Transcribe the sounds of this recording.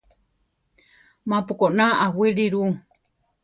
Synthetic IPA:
mãpukonaawiɾiɾu

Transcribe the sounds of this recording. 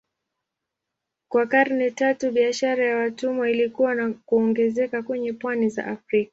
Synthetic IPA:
kwakaɾnɛtatuɓiaʃaɾajawatumɔilikuwanakuɔŋɡɛzɛkakwɛɲɛpwaniza̰ʔafɾikḁ

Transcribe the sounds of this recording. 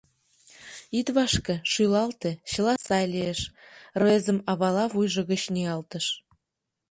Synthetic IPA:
it̪βɑʃkĕʃylɑlt̪eɕə̆lɑsɑjlʲeeʃrɤezə̆mɑβɑlɑβujʒɤ̆ɣə̆t͡ɕnʲiɑlt̪ə̆ʃ

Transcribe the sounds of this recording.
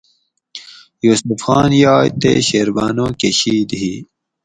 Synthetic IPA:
juːsufxɑːnjɑːjt̪ḛɕeːɾbɑːnõːkeɕiːd̪ɦi

